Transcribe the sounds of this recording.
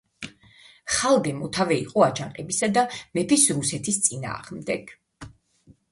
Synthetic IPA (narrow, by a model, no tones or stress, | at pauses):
χalˠd̪ɛmɔt̪ʰavɛḭqʼɔat͡ʃʰaɴqʼɛbisad̪amɛpʰisɾusɛt̪ʰist̪sʼina̰ːʁmd̪ɛɡ̥